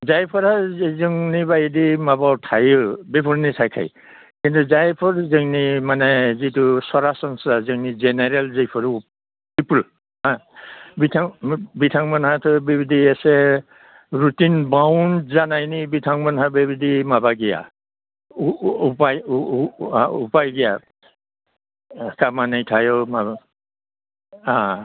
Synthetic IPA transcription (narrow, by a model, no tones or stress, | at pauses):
zajpʰɔɾazɯŋnibajdimabawtʰajbipʰulnitʰajkʰa̰j | kintuzajpʰɔɹzɯŋnimanɛzitusɔɹasɔnsazɯŋnizɛnɛɹɛlzejpʰɔɾ | bipul | ɦãbitʰaŋbitʰaŋmanhatʰɔbibidiasɛ | ɹutinbawndzanajnibitʰaŋmanɦabibidimabaɡija̰ | upaj | aṵpajɡija | kamanajtʰajɔmab | a